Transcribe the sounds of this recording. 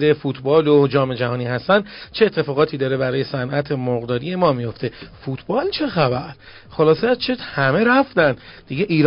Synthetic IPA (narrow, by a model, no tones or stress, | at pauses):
d̪efuːt̪ʰbɒːlod͡ʒɒːme̞d͡ʒæɦɒːniːɦæst̪ænd̪t͡ʃʰe̞et̪ʰːe̞fɒːɣɒːt̪ʰiːd̪ɒːɾe̞bæɾɒːje̞sænʔæt̪ʰemoɣd̪ɒːdɾije̞mɒːmijo̞ft̪e̞fuːt̪ʰbɒːlt͡ʃʰe̞xæbæɾ | xo̞lɒːset͡ʃʰehæme̞ɾæft̪ænd̪d̪iɡeʔiːɾ